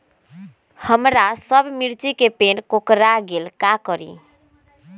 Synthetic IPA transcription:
həmɾasəbʱmiɾt͡ʃikepenkokɾaɡelkakəɾḭ

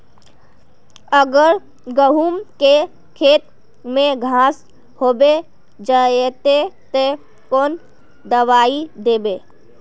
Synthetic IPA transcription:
əɡəɾ | ɡəɦumke | kʰeːt̪̚ | mẽɡʱãs | hoːbe | d͡ʒaet̪et̪e | koːn | d̪əʋaid̪ebe

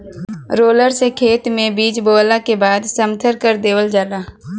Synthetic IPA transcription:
ɾoːləɾsekʰeːt̪mẽbiːd͡ʒboːlakebaːd̪səmt̪ʰəɾkəɾd̪eːʋəld͡ʒaːlaː

